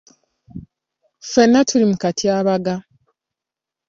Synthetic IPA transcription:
fenːatʰulimukatʰiaβaɡa

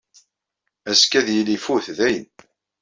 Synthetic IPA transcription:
æskæðjəlifuθðæjən

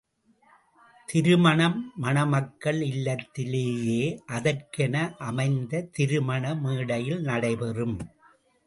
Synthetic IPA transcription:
t̪ɪɾɯmɐɳɐmːɐnɐmɐkːɐɭɪlːɐt̪ːɪleːjeːʔɐðɐrkɛnɐʔɐmɐɪnd̪ɐt̪ɪɾɯmɐɳɐmiːɽɐjɪlnɐɽɐɪpɛrɯm

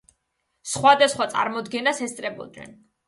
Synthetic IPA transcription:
sχwad̪asχwat̪sʼa̰ɾmɔd̪ɡɛnasɛst̪sʼɾɛbɔ̰d̪nɛ̰n

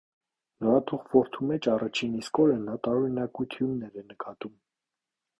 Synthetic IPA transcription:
nɔɾɑt̪ʰuχvɔɾt̪ʰumɛt͡ʃʰɑrɑt͡ʃʰiniskɔɾənɑt̪ɑɔɾinɑkujt̪ʰjumnɛɾɛnəkɑt̪um

